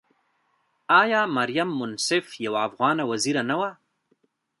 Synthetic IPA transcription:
ɑjɑmaɾjamːʊnsɪfjawaːfɣɑnawaziɾanawa

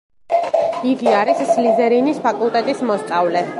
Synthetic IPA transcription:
iɡiaɾisslizɛɾinispʰakʼulˠt̪ʼɛt̪ʼismɔst̪sʼavlɛ

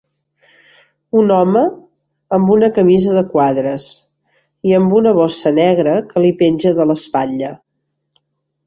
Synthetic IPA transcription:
unɔməː | mbunəkəmizəðəkwaðɾəs | iəmbunəβ̞ɔsənɛɣɾəkəlipenʲʒəðələspaʎə

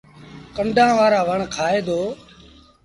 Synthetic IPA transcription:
kəɳɖʱãːʋaːɾaːʋəɳkʰaːeːd̪oː

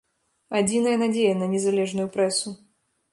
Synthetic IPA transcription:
ad͡zʲinɐjɐnad͡zʲejɐnɐnʲɛzalʲɛʐnujupɾɛsu

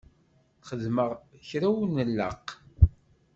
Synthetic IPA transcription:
θχəðməʁçɾæwnəlːə̰q

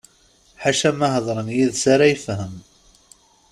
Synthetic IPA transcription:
ħaʃæmaɦəðˤɾˤənjiðsaɾajifhəm

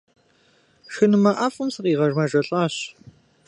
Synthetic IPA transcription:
ʃɨnɨmɐʔɐfʼɨmsɨqʼiːʁɐrmɐʒʼɐɬʼaːɕ

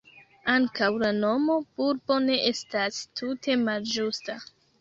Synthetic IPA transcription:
aŋkawlano̞mo̞buɾbo̞ne̞ʔe̞stastʰutʰe̞mald͡ʒusta

